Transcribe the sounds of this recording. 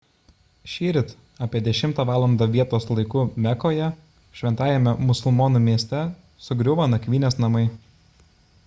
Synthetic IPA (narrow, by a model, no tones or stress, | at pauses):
ʃʲiːɾʲɪt̪ | ɑːpʲiɛd̪ʲɛʃʲɪmt̪ɑːʋɑːlˠɐnd̪ɐʋʲiɛt̪oːslˠɐɪkuːmʲɛkoːjɛ | ʃʲʋʲɛnt̪ɑːjɛmʲɛmʊsʊlˠmoːnuːmʲiɛsʲt̪ʲɛ | sʊɡɾʲʊʋɐnɐkʲʋʲiːnʲeːsnɐmɐɪ